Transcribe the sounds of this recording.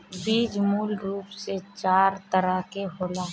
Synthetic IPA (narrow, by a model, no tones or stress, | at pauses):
biːd͡ʒmuːlɾuːpset͡ʃaːɾt̪əɾaːkeɦoːlaː